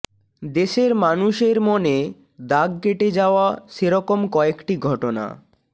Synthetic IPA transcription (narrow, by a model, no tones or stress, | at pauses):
d̪eʃeɾmanuʃeɾmone | d̪aɡkeʈed͡ʑaoaʃeɾɔkomkɔekʈiɡʱɔʈona̰